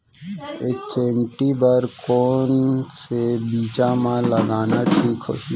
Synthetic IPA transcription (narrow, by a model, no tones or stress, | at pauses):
ekt͡ʃemʈibəɾkoːnsebiːt͡ʃamãləɡaːnaʈʰiːkɦo̰i